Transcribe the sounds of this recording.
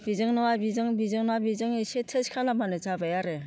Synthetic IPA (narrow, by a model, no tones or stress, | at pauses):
bizɯŋnɯwabizɯŋbizɯŋnɔwabizɯŋisetʰeskʰalamanɯt͡ʃabajaɾe